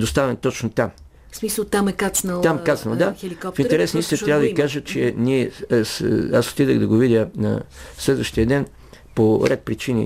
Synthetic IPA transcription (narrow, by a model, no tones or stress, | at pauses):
d̪ost̪avɛnt̪ɔt͡ʃnot̪am | smisəlˠt̪amɛkat͡ʃnəlˠt̪amkat͡ʃ̪nəlˠd̪axɛlikɔfinɛɾɛsnist̪inət̪ɾʲjavəd̪ɐvikaʒət͡ʃɛniɛsaso̥t̪id̪ə̰ɣd̪ɐɡovid̪ʲjənɐ̰slɛd̪vəʃt̪ijəd̪ɛn | poɾɛt̪̚pɾit͡ʃinḭ